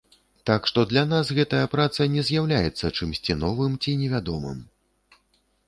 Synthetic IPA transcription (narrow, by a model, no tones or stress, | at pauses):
t̪akʂt̪ɔd̪lʲan̪asɣɛt̪ɐjɐpɾat̪sɐnʲɛzʲjawlʲajɛt̪sːɐt͡ʂɨmsʲt͡sʲinɔvɨmt͡sʲinʲɛvʲad̪ɔmɨ̰m